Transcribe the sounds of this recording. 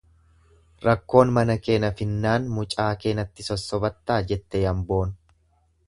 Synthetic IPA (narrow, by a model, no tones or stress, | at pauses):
ɾɐkːo̞ːnmɐnɐke̞ːnɐfɪnːaːnmʊt͡ʃʼaːke̞ːnɐt̪ːɪsɔsːɔbɐt̪ːaːd͡ʒɛt̪ːɛjɐmbo̞ːn